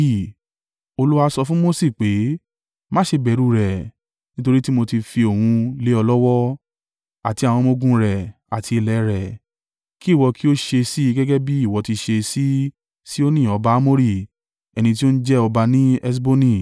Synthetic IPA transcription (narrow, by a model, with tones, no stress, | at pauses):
o˧lu˦a˧sɔ˧fũ˦mo˦si˦˨k͡pe˨˦ | mã˦ʃe˧bɛ˨ɾu˦ɾɛ˨ | nĩ˦to˧ɾi˦ti˦mo˧ti˧fi˧o˨hũ˧le˨˦ɔ˧lɔ˦wɔ˦ | a˨ti˧a˨w̃ɔ̃˧mo˧ɡũ˦ɾɛ˨a˨tʰi˧i˧lɛ˨˧ɾɛ˨ | ki˦˨wɔ˧kʰi˦o˦ʃe˧si˦˧ɡɛ˦ɡɛ˦bi˦i˦˨wɔ˧ti˧ʃe˧si˦ | si˦o˦nĩ˦˨ɔ˧ba˧˨a˦mo˦ɾi˦˨ | ɛ˧nĩ˧t̬i˦o˦n̩˦d͡ʒɛ˦ɔ˧ba˧nĩ˦ɛ˦s̬bo˦nĩ˧˨